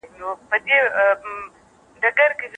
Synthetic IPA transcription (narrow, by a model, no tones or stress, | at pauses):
jopəd̪e | ɖɐɡɐɾkez